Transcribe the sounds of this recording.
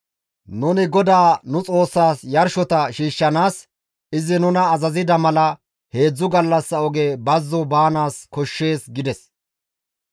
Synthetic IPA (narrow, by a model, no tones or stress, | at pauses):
nʊnɪɡɔd̪aːnʊt͡sʼo̞ːsːaːsjɐɾʃɔt̪ɐʃiːʃːɐnaːs | ɪzɪnʊnɐːzɐzɪd̪ɐmɐlɐ | he̞ːd͡zːʊɡɐlːɐsːɐɔɡeːbɐzːɔbaːnaːskɔʃːe̞ːsɡɪd̪ɛs